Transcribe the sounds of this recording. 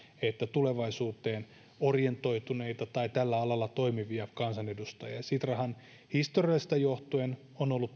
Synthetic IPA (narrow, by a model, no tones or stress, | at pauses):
et̪ːæt̪uleʋɑisuːt̪eːn | orjent̪o̞it̪uneit̪ɑt̪ɑit̪ælːæɑlɑlːɑt̪oimiʋiæpkɑnsɑnedust̪ɑjɑɑsit̪rɑhɑn | hist̪oriɑlːist̪ɑjoht̪oen | onolːut̪